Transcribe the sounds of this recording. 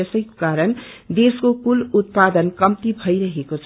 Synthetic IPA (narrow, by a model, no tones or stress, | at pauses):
ʌsʌjko̥kaɾʌnd̪eskokulut̪̚pad̪ʌnkʌmt̪ibʱʌjɾʌɦekot͡sʰʌ